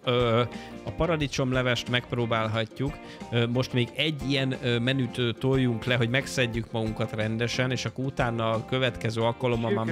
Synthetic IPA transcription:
øɒpɒɾɒd̪it͡ʃo̞mlɛvɛʃt̪mɛk̚proːbaːlɦɒcːukː | mo̞ʃt̪meːɡɛɟːijɛnmɛnyt̪øːt̪ojːuŋklɛɦo̞ɟmɛksɛɟːykmɒɡuŋkɒt̪rɛnd̪ɛʃɛneːʃɒkːout̪aːnːɒkøvɛt̪kɛzøːɒlkɒlo̞mɒmːɒm

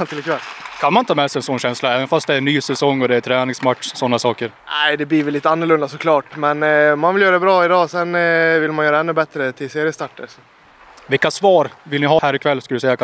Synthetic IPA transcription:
t̪ɪlːɪkʰvɛlkʰanmaɪnt̪ʰːɑːmɛsɛjɛnsɔnːɕɛnslaɛːvənfast̪d̪ɛænyːsɛsɔŋːɔd̪ɛæt̪ʰɾæːnɪŋsmat̪ʂsɔnːasɑːkəɾnæɪd̪ɛbliːɾvɪliːt̪ːəanːɵɭɵnd̪asɔkʰlɑːʈmɛnɔmːanvɪljœːɾad̪ɛbɾɑːɪd̪ɑːsɛnvɪlmanjœːɾaɛnːɵbɛt̪ɾət̪ʰɪlseːɾjəst̪ɑʈːəɾsɔ | vɪkːasvɑːɾvɪlnɪɦɑːhæːɾɪkʰvɛlːskald̪ʉsɛjːa

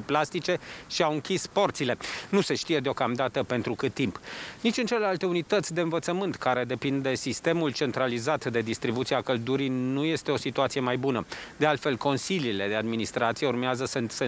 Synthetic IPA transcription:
plast̪it͡ʃe̞ʃiawɨŋkʲispo̞rt̪sile̞nuse̞ʃt̪ije̞d̪eo̞kamd̪at̪əpe̞nt̪ɾukɨt̪̚t̪ːimpnit͡ʃʲɨnt͡ʃe̞le̞lalt̪e̞unit̪ət̪sʲd̪eɨnvət̪səmɨnt̪kaɾe̞d̪e̞pind̪e̞sist̪e̞mult͡ʃe̞nt̪ɾalizat̪d̪e̞d̪ist̪ɾibut̪siakəld̪uɾijnuje̞st̪e̞o̞sit̪uat̪sije̞majbunəd̪e̞alt̪fe̞lko̞nsilile̞d̪e̞ad̪minist̪ɾat̪sije̞urmeazəsɨnt̪sə

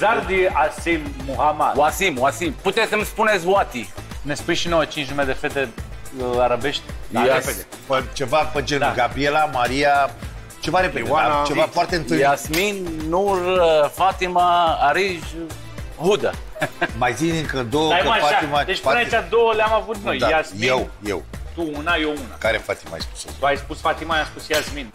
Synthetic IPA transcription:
zaɾd̪iasimːuhamad̪wasimwasimput̪eɨlspunetsʲwat̪inespujʃinowət͡ʃint͡ʃnumed̪e̞fet̪e | aɾabe̞ʃt̪ʲaeped̪e | pət͡ʃe̞vapəd͡ʒenaɡabɾielamaɾia | t͡ʃe̞vaɾeped̪eeaat͡ʃevafoart̪eɨnt̪ɨjasminːurfat̪imaːɾiʒ | ɦud̪a | majzinɨŋkəd̪owəafaaimad̪et͡ʃʲaat͡ʃad̪owəleamavut̪nojd̪aasmjewjḛwt̪uunajouna̰kaɾefat̪ima̰jspu̥sot̪uajspusfat̪imajaspusjasmin

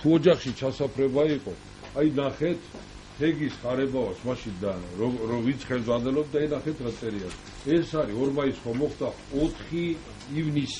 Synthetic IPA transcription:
t̪ʰuɔd͡ʒaχʃit͡ʃʰasapʰɾɛbaiqʼɔ | ajnaχɛt̪ʰ | hʰɛɡisχaɾɛbavasʰmaʃind̪aɔɔvint̪sʰχɛld̪zʁwanɛlɔb̚d̪aijnaχɛt̪ʰɾat̪sʼɛɾias | ɛsaɾiɔɾmaisχamɔχd̪a | ɔt̪ʰχiː | vnis

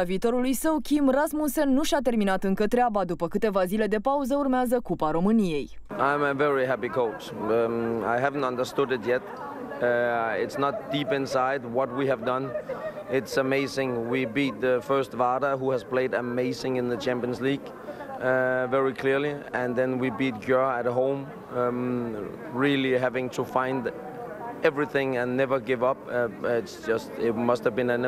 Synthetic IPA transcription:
viːt̪o̞ɾulujsəwkʲimrasmũnsenːuʃat̪e̞rminat̪ɨŋkət̪ɾeabad̪upəkɨt̪e̞vazile̞d̪e̞pauzəurmeazəkupaɾo̞mɨnije̞j | ʔãɪ̃məvɛɹiɦæpikʰoʊt͡ʃ | a̰ɪɦævə̃n̩tʌ̃ndəstʊdɨtjɛt̚ | ɪtsnət̚d̥ipɪ̃nsaɪd̚wʌt̚wiɨvdʌ̃n | ɪtsəmeɪzɪ̃ŋwibit̪̚ðɨfɜ˞stvɑɾəɦuɨz̥pʰl̥eɪdɨmeɪzɪ̃ŋɨ̃nðɨt͡ʃʰæ̃mpiə̃nzliɡ̥ | vɛɹikʰl̥ɪɹliɨ̃nðɨ̃nwibit̚ɡjɜət̚ɦõʊ̃m | ɹɪlˠiɦævɪ̃ŋtʰəfãɪ̃nd | ɛvɹiθɪ̃ŋɨ̃nːɛvə˞ɡɪvʌpɪtsd̥d͡ʒʒ̥ʌstɪt̚mʌsthəvbɨ̃nɨ̃n

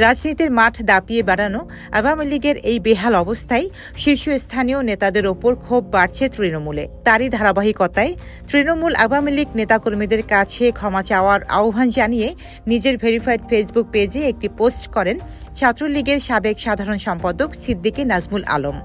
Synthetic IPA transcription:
ɾad͡ʑnit̪iɾmaʈʰd̪apiebɛɽano | a̰wamiliɡeɾejbeɦalɔbost̪ʰae | ʃiɾʃoest̪ʰanionet̪ad̪eɾopoɾkʰobːaɾt͡ɕʰet̪ɾinomulḛt̪aɾid̪ʱaɾabaɦikot̪ae | t̪ɾinomula̰wamiliɡnet̪akoɾmid̪eɾkat͡ɕʰekʰɔmat͡ɕaoaɾa̰obʱand͡ʑanije | nid͡ʑeɾbʱeɾifajʈfed͡ʑbuk̚ped͡ʑeek̚ʈiposʈkɔɾen | t͡ɕʰat̪ːɾoliɡeɾʃabekʃad̪ʱaɾonʃɔmpad̪oksid̪ːikenad͡ʑmulʔa̰lom

